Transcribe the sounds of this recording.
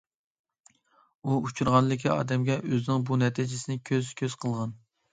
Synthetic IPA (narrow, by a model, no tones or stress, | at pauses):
uut͡ʃʰuɾʁɑnlˠɨkʲʰiɑ̰ːd̪ɛmɡʲɛʔøzɪnɪŋbunɛt̪ʰɪd͡ʒɪsɪnɪkʲʰøzkʲʰøz̥qʰəlˠʁɑn